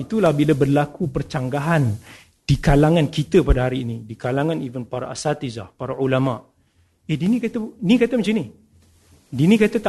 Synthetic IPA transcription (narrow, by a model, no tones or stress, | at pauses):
it̪ulahbilabərlakupərt͡ʃaŋɡaɦan | d̥ikalaŋãnkit̪əpadaɦaɾiːnidikalaŋãnivənpaɾa̰ʔa̰sat̪iza̰hpaɾaulamaʔ | edinĩkat̪ainikat̪əmə̃t͡ʃini | dinĩkat̪at̪a